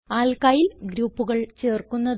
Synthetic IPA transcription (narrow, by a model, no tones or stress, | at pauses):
aːlkaːjilɡɾuːpːuɣɐɭt͡ɕeːrkunːɐð